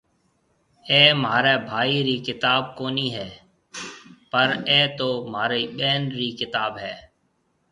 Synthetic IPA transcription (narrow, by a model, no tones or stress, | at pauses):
eːmɦaːɾeːbʱaːiːɾiːkɪt̪aːb̚koːniːɦɛː | pəɾeːt̪oːmaːɾeiːɓɛːnɾiːkɪt̪aːbɦɛː